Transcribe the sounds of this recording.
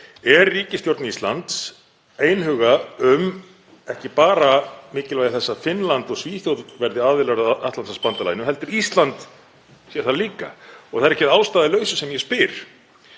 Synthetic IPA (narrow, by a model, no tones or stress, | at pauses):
ɛɾːiːcɪst̪jowɾt̪nist̪lant̪s | eːjnɦʏːɣaʏm | ɛhcɪpaːɾamɪːcɪlajðɪθɛsːafɪnlant̪ɔɣsviːθjowt̪vɛɾðɪaːðvɪlaɾaaht̪lansaspant̪ala̰ːjnʏɦɛl̪t̪ɪɾist̪lant̪ | sjɛɾ̥θaliːka̰ɔɣθaðɾɛhcɪaːwst̪aːðaɪlœːɥsʏsɛmjɛspɪɾ̥